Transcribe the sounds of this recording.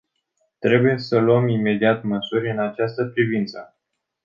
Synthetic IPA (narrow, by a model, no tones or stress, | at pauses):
t̪ɾe̞buje̞səluəmime̞d̪iat̪məsuɾʲɨnat͡ʃast̪əpɾivint̪sə